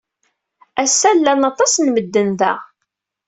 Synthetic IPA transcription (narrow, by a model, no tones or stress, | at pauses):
æsːælːænɑt̪ˤɑsnməd̪ːənðæ̰